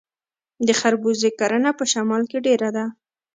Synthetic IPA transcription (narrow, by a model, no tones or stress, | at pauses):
d̪əxaɾbuzekaɾənapəʃamɑlkeɖeɾad̪a